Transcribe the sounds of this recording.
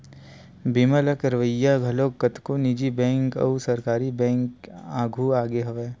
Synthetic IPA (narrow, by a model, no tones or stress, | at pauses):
biːməlɐkɐɾʋəjːaɡʱɐloːkːɐt̪konid͡ʒibɛ̃ːŋkɐ̰usɐɾkaːɾibɛ̃ːŋkaːɡʱuaːɡeɦɐʋeː